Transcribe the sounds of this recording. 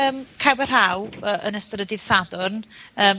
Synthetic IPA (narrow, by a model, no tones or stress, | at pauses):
əːmkʰawbər̥hawəːʔənəstɾədɪð̥sadʊrnəːm